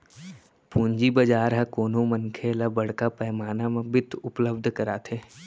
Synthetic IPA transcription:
pũːɲd͡ʒibɐd͡ʒaːɾɦakoːnõmənkʰeːlabɐɽ̤kapɛːmaːnamẽbɪt̪ʰʊpləbd̪ʱkəɾaːt̪ʰe

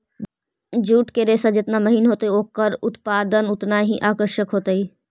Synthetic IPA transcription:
d͡ʒuːʈkeɾeːsad͡ʒɪt̪naməɦiːnɦoːt̪əioːkəɾʊt̪paːd̪ənʊt̪naɦĩʔaːkəɾʃəkɦoːt̪əiː

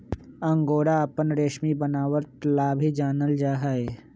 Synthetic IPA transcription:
ɐ̃ŋɡoːɽaɐpənɾeːʃmibənaːwəɾt̪laːbʱid͡ʒaːnəld͡ʒaːɦae

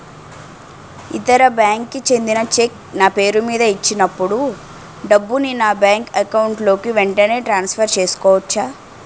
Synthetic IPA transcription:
it̪ɐɾɐbjaːŋkːit͡ʃe̞nd̪inɐt͡ʃek | naːpe̞ːɾumiːd̪ɐit͡ʃːinɐpːuɽu | ɖɐbːuninaːbjaːŋkɐkɐwuɳʈlo̞ːkiʋeɳʈɐne̞ːʈɾaːnspʰɐɾt͡ʃe̞ːsu̥kɔːʋɐt͡ʃːaː

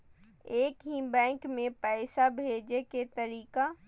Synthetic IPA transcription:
eːkɦĩbɛ̃ːŋkmẽpɛːsabʱeːd͡ʒeket̪əɾiːka

